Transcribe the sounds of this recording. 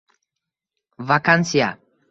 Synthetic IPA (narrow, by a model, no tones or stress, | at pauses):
vakansia̰